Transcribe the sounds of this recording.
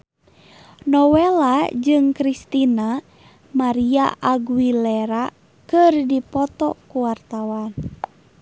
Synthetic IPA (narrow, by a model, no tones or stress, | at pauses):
nɔwɛlad͡ʒɨŋkɾist̪ina | maɾiaʔaɡuwilɛɾa | kɨrdipɔt̪ɔ̰kuwart̪awan